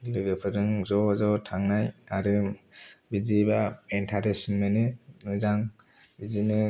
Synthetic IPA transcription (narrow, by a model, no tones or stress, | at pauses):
lɯɡɯpʰɯɾɯŋzɔzɔtʰaŋnajaɾɯ | bizibaentʰaɾesmːenɯnɯzaŋ | bizinɯ